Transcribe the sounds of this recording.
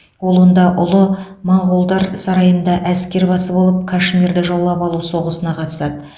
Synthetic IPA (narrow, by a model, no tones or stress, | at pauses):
wo̞lˠwo̞nd̪ɑʔʊlˠəmɑɴʁulˠd̪ɑɾsɑɾɑjənd̪ɑʔæskʲe̞ɾbɑsəbo̞lˠəp̚kʰaʃmʲiɾd̪ɪʒolˠːɑpɑlˠuso̞ʁəsənɑqʰɑt̪ə̥sɑd̪ə